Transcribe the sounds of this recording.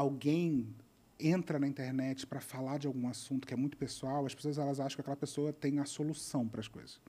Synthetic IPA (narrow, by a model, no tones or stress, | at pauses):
awɡẽj̃ | ẽnt̪ɾɐnɐĩnt̪eɾnɛt͡ʃɪ̥pɾɐfalad͡ʒɪawɡũasũnt̪ʊkɪɛmũj̃t̪ʊ̥pesuawɐspe̥soɐzɛlɐzaʃɐ̃kɪakɛlɐpesoɐt̪ẽj̃ɐsolusɐ̃w̃pɾɐsko̰jzɐs